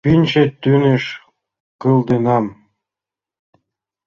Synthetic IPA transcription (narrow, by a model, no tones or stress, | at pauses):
pinʲt͡ɕet̪ːyneʃ | kɤlˠd̪enɑm